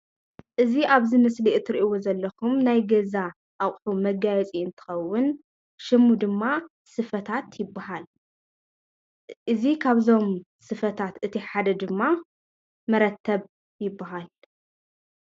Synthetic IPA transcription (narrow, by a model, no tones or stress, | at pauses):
ʔɨziʔaβzɨmɨsliʔt̪ʰɨɾiʔiwozɐlːɐkumnajɡɐza | ʔaχʼħumɐɡajɛt͡sʼiɨnt̪ʰɨ̥xɐwːʊn | ʃɨmːud̪ɨmːa | sɨfɐt̪ʰat̪jɪbːaɦal | ʔɨzikʰaβzo̞m | sɨfɐt̪ʰat̪ʔɨt̪ʰiħad̪ɐd̪ɨmːa | mɐɾɐt̪ʰːɐβ | jɪbːaɦal